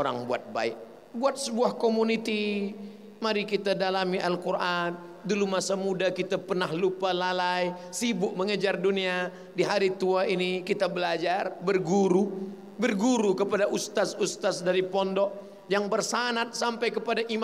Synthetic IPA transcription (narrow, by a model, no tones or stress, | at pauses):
oɾa̰ŋbuat̪̚ba̰ɪk̚ | buat̪̚səbuahkomunit̪i | maɾikit̪adalamiʔalkurʔan | dulumasamudakit̪apərnahlupalalajsibʊʔməŋəd͡ʒardunia | diɦaɾit̪uainikit̪abəlad͡ʒarbərɡuɾu | bərɡuɾukəpadaʔust̪asust̪asdaɾipɔndɔʔ̚ | jaŋbərsanat̪̚sampajkəpadaʔim